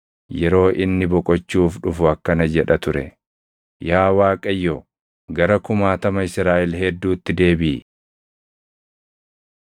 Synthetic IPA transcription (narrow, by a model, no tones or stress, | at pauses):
jɛɾo̞ːʔɪnːɪbɔkʼɔt͡ʃːuːfᶑʊfʊɐkːɐnɐd͡ʒɛᶑɐt̪ʊɾɛ̰ | jaːwaːkʼɐjːo | ɡɐɾɐkʊmaːt̪ɐmɐɪsɾaːʔɪlɦɛd̪ːuːt̪ːɪd̪e̞ːbɪ